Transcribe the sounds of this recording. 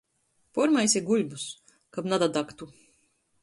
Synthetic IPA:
pɔɾmajsʲiɡulʲbus | kabnad̪ad̪akt̪u

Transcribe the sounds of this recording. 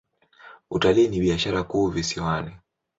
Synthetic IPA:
utalinibiaʃaɾakuvisiwani

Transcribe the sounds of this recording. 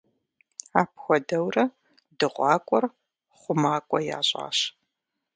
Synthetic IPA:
aːpʰxʷɔdɐwrɐ | dɨʁʷɑːkʷʼɔr | χʷʊmaːkʷʼɔja̰ːɕʼa̰ːɕ

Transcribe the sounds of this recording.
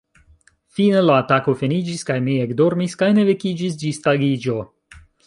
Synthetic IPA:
finelaːtako̞fenid͡ʒiskajmieɡdo̞ɾmiskajne̞ve̞kid͡ʒisd͡ʒistaɡid͡ʒo̞

